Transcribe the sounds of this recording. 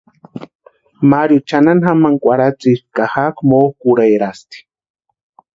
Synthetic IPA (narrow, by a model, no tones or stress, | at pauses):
maɾjut͡ʃananxamaŋkʷaɾat͡sʼiɾkahakmokuɾajɾast̪i̥